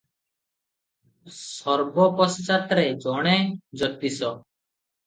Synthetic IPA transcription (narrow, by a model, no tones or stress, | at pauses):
sɔɾbɔpɔst͡ʃat̪ɾed͡ʒɔɽ̃ed͡ʒɔt̪isɔ